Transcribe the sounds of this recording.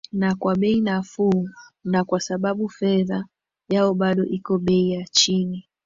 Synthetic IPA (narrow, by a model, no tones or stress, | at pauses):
nakwaɓɛinafuanakwasaɓaɓufɛða | jaɔɓaɗɔʔikɔɓɛijat͡ʃini